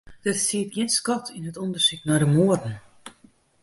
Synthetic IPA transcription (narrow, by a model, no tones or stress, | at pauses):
d̥ɪtsiət̚ɡjɪənskɔtʰinɦətɔndərsiknɔdəmuədn̩